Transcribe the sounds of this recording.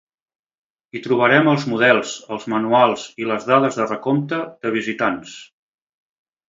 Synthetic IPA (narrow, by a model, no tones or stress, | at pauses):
it̪ɾuβəɾɛməlˠzmuð̞ɛlˠzəlˠzmənualˠziləzðaðəzðərəkomt̪əðəβ̞izit̪ans